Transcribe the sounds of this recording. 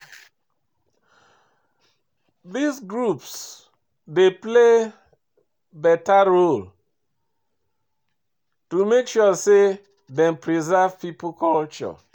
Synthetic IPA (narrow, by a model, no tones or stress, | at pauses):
ðisɡɹups | deple | bɛtaɹol | tumekʃuse | dɛ̃mpɹizav̥piplkɔlt͡ʃɔ̰